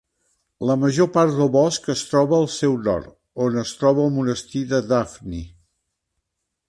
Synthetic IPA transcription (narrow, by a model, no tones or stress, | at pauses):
ləməʒopaɾt̪d̪əlˠβɔskəst̪ɾɔβəːlˠsɛwnɔ̰ɾt̪ | onəst̪ɾɔβəːlˠmunəst̪iðəðafni